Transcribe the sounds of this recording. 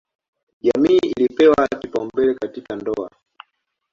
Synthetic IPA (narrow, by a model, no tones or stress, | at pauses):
ʄamiːilipɛwakipambɛlɛkatikandɔa̰